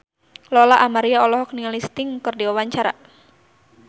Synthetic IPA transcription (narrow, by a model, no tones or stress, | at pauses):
lɔlaʔamaɾiaɔlɔɦɔk̚niŋalist̪ɪŋkɨrdiwawaɲt͡ʃaɾa̰